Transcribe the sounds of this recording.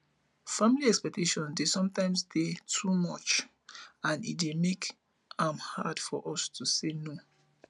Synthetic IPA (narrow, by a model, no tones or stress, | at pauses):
fãmiliɛkspɛk̚tʰeʃɔ̃ndesɔ̃mtãɪ̃msdetʰumɔt͡ʃ | ãnḭtdemek | ãmhad̥fɔʔɔstʰuseno